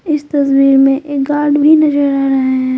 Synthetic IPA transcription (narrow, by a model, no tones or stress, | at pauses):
ɪst̪ɐswiːɾmẽʔeːk̚ɡaːɾɖbʱinɐd͡ʒəɾaɾɐɦeɦɛ̃ː